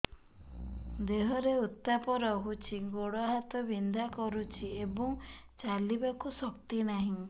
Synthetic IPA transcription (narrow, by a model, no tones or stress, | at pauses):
d̪eɦɔɾeut̪ːapɔɾɔɦut͡ʃʰiɡoɽɔaɦat̪ɔbind̪ʱakɔɾut͡ʃʰiebɔŋ | t͡ʃalibakusɔk̚t̪inaɦĩ